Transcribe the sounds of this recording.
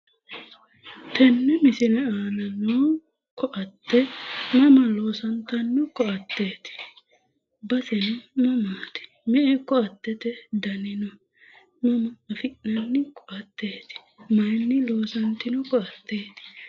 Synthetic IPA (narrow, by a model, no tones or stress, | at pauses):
t̪ɛnːɛmɪsɪnɐaːnɐnoː | kʰɔʔɐt̪ːɛmɐmɐlo̞ːsɐnt̪ːɐnːʊkɔʔɐt̪ːe̞ːt̪ɪ̥ | bɐsɛnɪmɐmaːt̪ɪ̥ | mɛʔɛkɔɐt̪ːɛt̪ɛd̪ɐnɪnɔ | mɐmɐːfɪʔɐnːɪkɔʔɐt̪ːe̞ːt̪ɪ̥ | mɐjnːɪlo̞ːsɐnt̪ːɪnɔkɔɐt̪ːe̞ːt̪ɪ̥